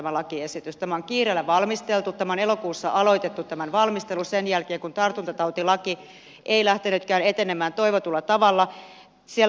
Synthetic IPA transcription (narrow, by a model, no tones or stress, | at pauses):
æmælɑkiesit̪yst̪æmæoŋkiːreːlːæʋɑlmist̪elt̪ut̪t̪ːæmæonelokuːsːɑʔɑloit̪et̪ːut̪t̪æmænʋɑlmist̪elusenjælkeːŋkunt̪ɑrt̪unt̪ɑt̪ɑut̪ilɑki | ʔeilæht̪enyt̪kæːnet̪enemæːnt̪oiʋot̪ulːɑt̪ɑʋɑlːɑ | siel